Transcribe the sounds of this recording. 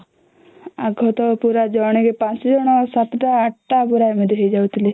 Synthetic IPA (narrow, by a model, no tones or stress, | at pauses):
aɡʱɔt̪ɔpuɾad͡ʒɔɽ̃iɡepãsd͡ʒɔɽ̃ɔsat̪ɔʈaːʈʈabuɾajmed̪ʱiɦejd͡ʒawt̪ʰili